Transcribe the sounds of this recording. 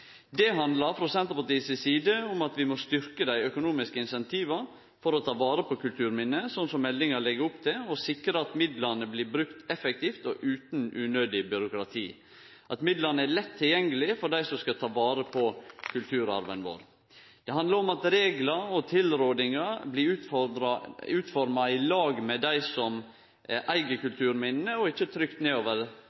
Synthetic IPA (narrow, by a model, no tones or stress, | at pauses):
d̪ɛɦɑnd̪lɑɾfɾɔsɛnt̪əɾpɑʈ̪iːsəsiːd̪əʊmɑt̪ʋɪmɔst̪ʏɾkəd̪æɪœkʊnuːmɪskəɪnsɛnt̪ʰiːʋɑɾ | fɔɾɔt̪ʰɑːʋɑːɾəpʰɔkʰʉlt̪ʰʉːɾmɪnəsɔnsɔmːɛlːɪŋɑlɛɡəɾʊpt̪ʰɪlɔsɪkɾəɑt̪mɪd̪lɑnəbliːbɾʉkt̪ɛfɛk̚t̪ʰiːft̪ɔʔʉːt̪nʉnøːd̪ɪbʏɾʊkɾɑt̪ʰiː | ʔɑt̪mɪd̪lɑɾnəælɛt̪ʰːɪljɛŋːəlɪfɔɖæɪsɔmskɑt̪ʰɑːʋɑːɾəpʰɔkʰʉlt̪ʰʉːɾɑ̰ɾʋənʋo̰ːɾ | d̪̥ɛɦɑnd̪ɑɾɔmɑt̪ɾeːɡlɑɔt̪ʰɪlɾoːd̪ɪŋɑblɪʉː | ʉːt̪fɔɾmɑɪlɑːɡmɛd̪æɪsɔm | ʔæʔæɪɡəkʉlt̪ʰʉːɾmɪnːəɔɪçːət̪ʰɾʏkt̪neːoːʋəɾ